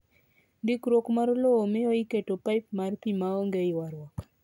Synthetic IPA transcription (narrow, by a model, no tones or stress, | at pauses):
dikɾokmaɾloomɪoɪketopaɪpmarpimaoŋɡeɪwaɾwak